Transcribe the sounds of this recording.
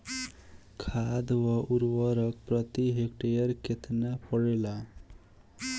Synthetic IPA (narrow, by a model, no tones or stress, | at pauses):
kʰad̪wɔʔuɾwəɾək̚pɾət̪iɦek̚ʈejəɾket̪ʰnapəɽela